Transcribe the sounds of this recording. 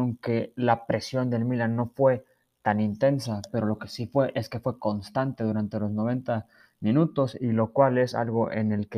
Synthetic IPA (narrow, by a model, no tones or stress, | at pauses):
oŋke̞lapɾe̞sjo̞nd̪e̞lmilanːo̞fwe̞ | t̪anint̪e̞nsape̞ɾo̞lo̞ke̞sifwe̞ʔe̞ske̞fwe̞ko̞nst̪ant̪e̞ðuɾant̪e̞lo̞zno̞β̞e̞nt̪a | mĩnut̪o̞silo̞kwale̞sa̰lɣo̞ʔe̞̰ne̞lke